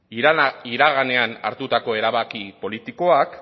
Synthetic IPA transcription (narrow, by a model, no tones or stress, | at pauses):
iɾaɣane̞ana̰ɾt̪ut̪ako̞e̞ɾaβakipo̞lit̪iko̞ak